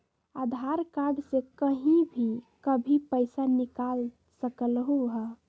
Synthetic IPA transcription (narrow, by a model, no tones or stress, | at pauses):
ad̪ʱaɾkaɾɖsekəɦĩbʱikəbʱipəɪsanikal | səkəlɦuɦə